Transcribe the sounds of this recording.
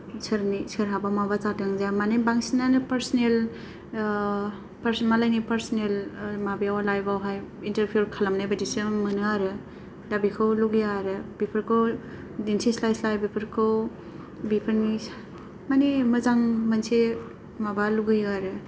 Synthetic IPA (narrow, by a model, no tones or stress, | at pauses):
sɯɾnisɯɾɦabamabatatɯŋzjamanebaŋsnanɯpɐɾsnel | pɾmalajnipɐɾsnelmabijawlajbawɦajintɐɾpʰijuɾkʰalamnajbadisɯmɯnɯaɾɯ | dabikʰɯwluɡɯjaɾɯbipʰɯɾkʰɯw | dinsʰislajslajbipʰɯɾkʰɯw | bipʰɯɾni | manemɯzaŋmənse | mabaluɡɯjaɾɯ